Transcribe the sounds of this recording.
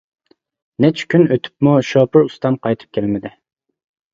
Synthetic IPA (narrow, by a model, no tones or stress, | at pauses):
nɛt͡ʃʰɪ̥kʲynøt̪ʰy̥pmuʃoːpʰʊɾust̪ɑmqʰɑjt̪ʰɨ̥p̚kʲʰɛlmɪd̪ɪ